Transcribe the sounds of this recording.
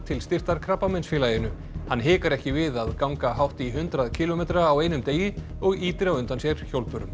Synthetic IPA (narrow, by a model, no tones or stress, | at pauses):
t̪ʰɪlst̪ɪr̥t̪aɾkʰɾapːamɛnsfɪːlajɪnʏ | hanɦɪːkaɾɛhcɪvɪðaðkawŋkaɦawht̪iɦʏnt̪ɾaðcʰɪːlomeːt̪ɾaːweːjnʏmt̪eːjɪ | ɔɣiːt̪ɪɾawʏnt̪ansjɛɾ̥çowlpʏɾʏm